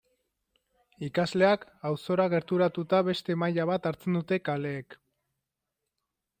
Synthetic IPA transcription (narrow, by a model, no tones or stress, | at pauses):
ikazle̞akawso̞ɾaɣe̞ɾt̪uɾat̪ut̪aβe̞st̪e̞majaβ̞at̪aɾt͡se̞nd̪ut̪e̞kale̞ːk